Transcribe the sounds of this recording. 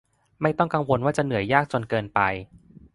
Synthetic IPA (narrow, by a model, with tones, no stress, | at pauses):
ma˥˩jt̪ɔ˥˩ŋka˧ŋwo˧nwaː˥˩t͡ɕa˨˩nɯ˨˩˦əjːaː˥˩k̚t͡ɕo˧nkɤː˧npa˧j